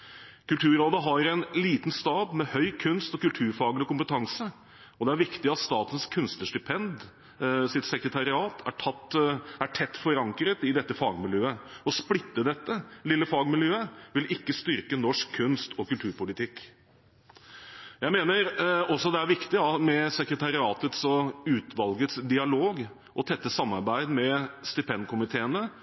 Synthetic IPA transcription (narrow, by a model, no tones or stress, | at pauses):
kʉlt̪ʰʉːɾoːd̪əɦɑɾɛnliːt̪nst̪ɑːbmɛhœʏkʰʉnst̪ɔkʉlt̪ʰʉːɾfɑːɡəlɪkʊmpət̪ʰɑŋsə | ɔd̪ɛæɾʋɪkt̪ɪɑt̪st̪ɑːt̪ənskʰʉnst̪əʂʈʏpʰɛnd̪ | sɪt̪sɛkɾət̪ʰɑɾɪɑːt̪ʰæ̰ʈʰɑt̪æʈʰɛt̪ːfɔɾɑŋkɾət̪ɪd̪ɛt̪ːəfɑːɡmɪljøːəɔsplɪt̪ːəd̪ɛt̪ːəlɪlːəfɑːɡmɪljøːəʋɪlɪkːəst̪ʏɾkənɔʂkʰːʉnst̪ʰɔkʉlt̪ʰʉːɾpʊlɪt̪ʰɪkː | jæɪmeːnəɾɔsɔd̪ɛæɾʋɪkt̪ɪɑmɛsɛkɾət̪ɑɾɪɑːt̪ət̪sɔʉːt̪ʰʋɑlɡət̪sd̪ɪɑloːɡ | ʔɔt̪ʰɛt̪ːəsɑmːɑɾbæɪd̪mɛst̪ʏpʰɛnd̪kʰʊmɪt̪ʰeːənə